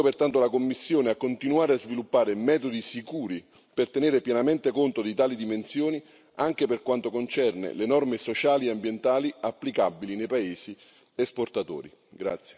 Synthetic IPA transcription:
opert̪ant̪olakomːisːjoːneakːont̪inuaːɾeazvilupːaːɾemɛːt̪od̪isikuːɾi | pert̪eneːɾepjɛnament̪ekont̪od̪it̪aːlid̪imensjoːni | aŋk̟eperkwant̪okont͡ʃɛrnḛlenɔrmesot͡ʃaːlieambjent̪aːliapːlikabːilinejpaeːsi | esport̪at̪o̰ːɾḭ | ɡɾa̰t̪sje̥

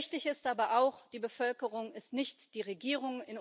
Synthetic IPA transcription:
çtɪçɪstʔaːbɐʔaʊxd̥iːbəfœlkəʁʊŋɪstnɪçtd̥iːʁ̞eɡiːʁ̞ʊŋɪn

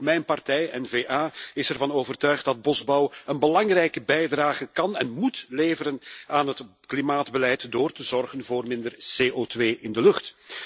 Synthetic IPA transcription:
mɛjnpɑrtɛjɛnveːʔaːɪsɛrvɑnoːvərtœɥχt̚dɑd̚bɔzbɑwənbəlɑŋrɛjkəbɛjdraːɣəkɑnɛnmutleːvəɾənaːnɦətklimaːdbəlɛjtdoːrtəzɔrɣənvoːrmɪndərseːʔoːtʋeːʔɪndəlɵxt

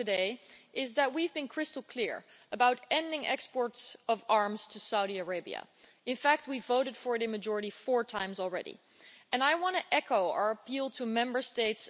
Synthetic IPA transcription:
tɨdeɪʔɪzðɨt̚wivbɨ̃nkʰɹ̥ɪstl̩ˠkʰl̥ɪɹ | əbaʊɾɛ̃ndɪ̃ŋɛ̰kspɔɹtsʌvɑɹmz̥tʰɨsaʊɾiə˞eɪbḭɨ̰ | ɨ̃nfæk̚t̚wivoʊɾɨd̥fə˞ɨɾɨ̃mɨd͡ʒɔɹɨɾifɔɹtʰãɪ̃mzl̩ˠɹɛ̰ɾḭ | ɨ̃naɪwɑ̃ntɨʔɛkʰoʊa̰˞əpʰilˠtʰəmɛ̃mbə˞steɪts

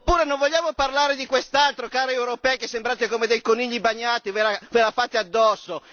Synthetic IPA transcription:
pːuːɾenõɱvoʎːaːmoparlaːɾed̪ikwest̪alt̪ɾokaːɾeewɾopɛkesːembɾaːt̪ekomed̪ejkoniʎːibaɲːaːt̪ivelavelafat̪ːead̪ːɔsːo

